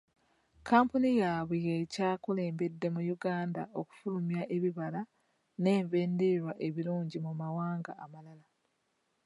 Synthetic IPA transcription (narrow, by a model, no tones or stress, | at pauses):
kʰaːmpunijaβijecaːkule̞ːmbe̞dːe̞mujuɡaːnda̰ʔo̞ku̥fulumjaʔe̞βiβala | ne̞ːɱve̞ːndiɾwaʔe̞βiluːɲɟimumawaːŋɡa̰ːmalala